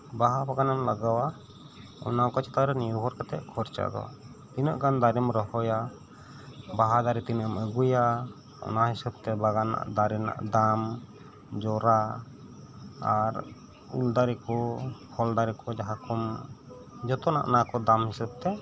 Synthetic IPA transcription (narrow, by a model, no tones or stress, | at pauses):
baɦabaɡanamlaɡawa | ɔ̰nakɔt͡ʃɛ̥t̪aɾɛniɾbʱɔɾkat̪ɛʔkʰɔɾt͡ʃa̰d̪ɔ̰ | t̪inəʔkand̪aɾimɾɔhɔja | baɦad̪aɾit̪inəməɡuja | ɔ̰naɦisəb̚t̪ɛbaɡana̰ʔd̪aɾina̰ʔd̪am | d͡ʒɔɾa | aɾ | ṵld̪aɾikɔhʰɔld̪aɾikɔd͡ʒaɦakɔm | d͡ʒɔt̪ɔna̰ʔnakɔd̪amhisab̚t̪ɛ